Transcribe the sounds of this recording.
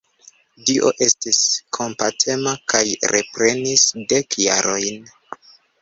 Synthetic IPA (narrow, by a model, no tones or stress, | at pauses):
diʔo̞̰ʔe̞stiskʰo̞mpatʰe̞makʰajɾḛpɾe̞nisde̞kja̰ɾo̞jn